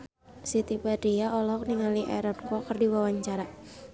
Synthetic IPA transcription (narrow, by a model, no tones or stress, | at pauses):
sit̪ipadiaʔɔlɔk̚niŋaliʔɛ̰ɾɔnkɔkərdiwawaɲt͡ʃaɾa